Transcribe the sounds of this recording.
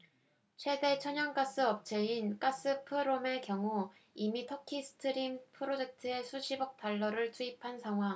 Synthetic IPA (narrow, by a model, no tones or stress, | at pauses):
t͡ɕʰwe̞de̞t͡ɕʰʌɲʌnk͈as͈ɯʌp̚t͡ɕʰe̞ink͈as͈ɯpʰɯɾome̞kjʌŋuimitʰʌkʰisʰɯ̥tʰɯɾimpʰɯɾod͡ʑe̞k̚tʰɯe̞sʰuɕʰibʌk̚t͈aɭːʌɾɯɭt͡ɕʰuipʰansʰaŋɦwaŋ